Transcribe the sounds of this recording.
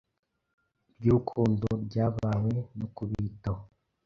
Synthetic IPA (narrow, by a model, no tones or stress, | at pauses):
bɟuːkʰuːndoɾɟaːβaːwenukuβito